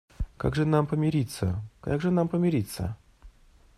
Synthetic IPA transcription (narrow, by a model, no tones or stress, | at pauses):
ka̰ɡʐɨnampəmʲɪɾʲit̪sə̰ka̰ɡʐɨnampəmʲɪɾʲit̪sːə̰